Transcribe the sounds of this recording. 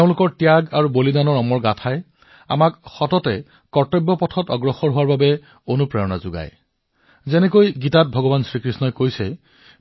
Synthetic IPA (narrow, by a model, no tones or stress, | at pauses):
teʊ̃lʊkɔɹtjaɡaɹubolidanɔɹɔmɔɹɡatʰaj | a̰makxɔtɔtɛ | kɔɹtɔbːɔpɔtʰɔtɔɡɹɔxɔɹɦuwaɹbabɛ | onupɹɛɹɔna̰zʊɡa̰j | zɛnɛkojɡitat̚bʱɔɡɔbansɹikɹisnɔjkojsɛ